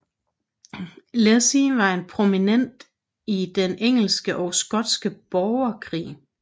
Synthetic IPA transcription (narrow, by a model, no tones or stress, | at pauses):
lesiʋɑ̈e̝npʰʁo̝minen̰d̥ | id̥eneŋ̰l̩sɡ̥əʔɒ̽ʊsɡ̥ɒ̽d̥sɡ̥əb̥ɒʊɐkʰʁḭː